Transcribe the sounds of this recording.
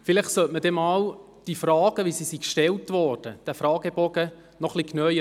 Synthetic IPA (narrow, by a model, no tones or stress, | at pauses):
fɪlɪχtsœtməd̥ɛmɑːw | d̥ifɾɑːɡ̥əʋisisikʃtɛltʋɔrd̥əd̥æfɾɑːɡ̥əbɔɡə | nɔχliknœʏə